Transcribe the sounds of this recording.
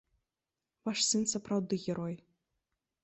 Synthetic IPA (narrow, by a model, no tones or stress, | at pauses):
vaʂsɨnsapɾawd̪ɨɣʲɛɾɔj